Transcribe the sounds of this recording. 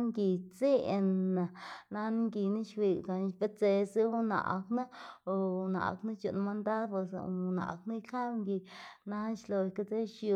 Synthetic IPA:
ŋɡi˧t͡si˦˧na˨na˧n˦ŋɡi˧na˦ʃwi˧˨ɡa˨nʃpe˦t͡se˧si˦na̰˨ʔkna˦o˧na̰˨kna˦t͡ʃṵ˧ʔn˧ma˧nd̪a˦ɾpwe˧sna̰˨kna˦jka˦bŋɡi˧na˧ʃlo˧jka˦t͡se˦ʃju˧

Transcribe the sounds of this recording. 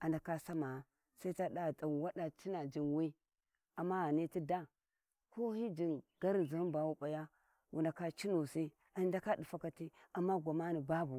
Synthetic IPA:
a˨nda˨ka˦sa˦ma˨ | sa˦i˦ta˦da˦˨ta˨nwa˦ɗa˨t͡ʃi˦na˨d͡ʒi˨nwi˦ | a˨mːa˦a˨ni˦ti˦da˦ | ko˦hi˦d͡ʒi˨nɡ̥a˦ɾza˨˦ba˨wu˦ɓa˨ja˦ | wʔu˨nda˨ka˦t͡ʃi˦nu˨si˦ | a˨nda˦ka˦di˨fa˦ka˨ti˦a˨mːa˦ɡʷa˨ma˦ni˨ba˦bu˨

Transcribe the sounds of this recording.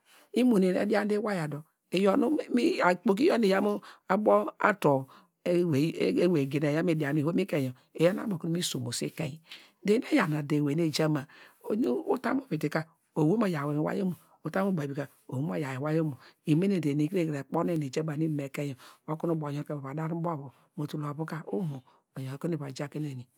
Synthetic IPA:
i˦mo˨ne˨ḛ˨˦di˦a˦n˦de˦wa˦ja˨do˨ | e˨jo˦nu˦mi˦a˨k͡po˦k̬i˦o˦ne˨ja˦mo˦a˦bo˦a̰˦to˨˦ | we˨˦we˨ɡe˨ne˨ja˦m˦e˨di˨a˨ni˨ho˦mi˦ke˦˨jo˨ | e˨ja˦n˦a̰˦mo˨ku˦nu˦mi˦so˨mo˨sḭ˦ke˦ji˨ | de˨˦ne˦ja˨na˨de˨we˨ne˦˨d͡ʒa˦ma˨o˨ɲ˦u˦ta˦m˦o˦˨bi˨ti˨ka˦ | o˨wu˦mo˦˨ja˨we˨mi˨wa̰˦jo˦mo˨ | o˨ta˦mo˦ba˨bi˨ka˦ | o˨wu˦m˦o˦ja˨ji˨wa˦jo˦mu˨i˨me˦ne˨de˨ne˨ke˦˨kɾe˨k͡po˦ne˦ne˨d͡ʒa˦ma˨ni˦me˨kɛ˦jɔ˨o˦ku˦nu˦bo˨jo˦e˦˨ba˨βa˨da˦ɾi˦bo˦˨bo˨ | mo˨tu˨la˨bu˦ka˦o˦mo˨ | o˨jo˨ko˦e˨βa˨d͡ʒa˦ke˦ne˨ni˨

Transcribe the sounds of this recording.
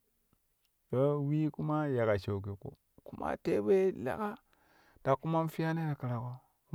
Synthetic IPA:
to˦wi˦ku˦ma˦ja˨ka˨ʃo˨k̬e˨ko̰˨ | ku˦ma̰˦te˦be˦la̰˨ka˦ | d̥a˨kːu˦ma˦n˦fi˦ja˦ne˦da˨ka˨ɾa˨ko˨˦

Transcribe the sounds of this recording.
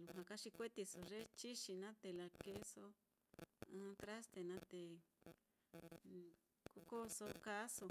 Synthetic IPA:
lu˧hã˧ka˦ʂi˧kʷe˦t̪i˧so˨ʐe˦t͡ʃi˦ʃi˧nã˦t̪e˨la˧ke˧so˧ | ã˦t̪ɾa˦st̪e˨nã˦t̪e˨ | ku˦ko˦so˧ka˦so˧

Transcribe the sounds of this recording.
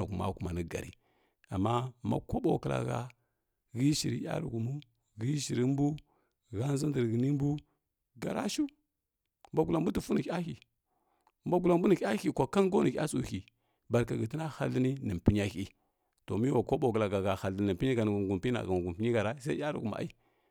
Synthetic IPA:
ɡu˨ma̰˦˨ku˨ma˨nə˦ɡa̰˨ɾḭ˨ | a˨mːa˦ma̰˦ko˦ɓo̰˨kə˨la̰˨ɡa̰˨ | ɣi˦ʃi˨ɾḭ˦ja̰˦ɾṵ˨ɡu˨mu˦ | ɣi˦ʃi˨ɾi˦m˦bu˦ | ɣa˦n˦zi˦ndə˨ɾɡi˨ni˦mbu˦ | ɡa˨ɾa̰˦ʃu˦ | mba˦ɡu˨la˨mbu˦tu˨fu˦ni˨˦a˦xi˨ | mba˦ɡu˨la˨mbu˦ni˨kʲa˦i˨kʷa˨ka˦nɡo˦ni˨˦a̰˦su˨ki˨ | ba˨ɾka˨ɡi˨ti˦na˦ha˦lːi˦ni˦nə˨mpi˦ɲ˦a˦ki˦ | to˨mi˦wa˨ko˦bo˨kla˨ɡa˨ɡa˨ha˨ln˦nə˨mpi˦ɲi˦ɡa˨n˨ɡu˨mpna̰˨ɡa˨ɡu˨pi˦ɲi˦ɡa˨ɾa˦sa˦a˦ɾṵ˨ku˨m̰˨a̰˦i˦

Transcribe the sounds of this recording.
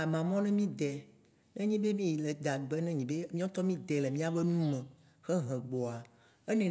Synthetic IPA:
a˨mã˨mɔ̃˦nɛ̃˦mĩ˦d̪ɛ˨ | nɛ̃˦ɲĩ˦be˦mĩ˦ji˨le˨d̪a˨ɡ͡bɛ˦nɛ̃˦ɲĩ˨be˦mĩ˦ã˦t̪ɔ˦mĩ˦d̪ɛ˨lɛ˨mĩ˦a˦be˦nũ˦mɛ̃˨ | xɛ˦ɦɛ̃˨ɡ͡bɔ˨a˨ | e˦nɛ̃˨

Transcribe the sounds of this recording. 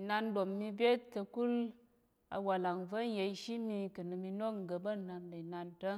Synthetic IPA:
na˧ndo˨mːi˧bʲe˦ttə˧ku˦l | a̰˧wa˨la˨ŋvə˦n˦je˧i˧ʃi˦mi˧kə˨nɨ˧mi˧no˦kŋ̩˨ɡə˧bə˦˨na˧ndə˨i˨na˧ntə˦

